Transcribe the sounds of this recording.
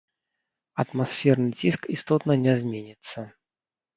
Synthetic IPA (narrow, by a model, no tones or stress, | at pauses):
ɐt̪masfʲɛrnɨd͡zʲiskist̪ɔt̪nɐnʲɛzʲmʲenʲit̪sːɐ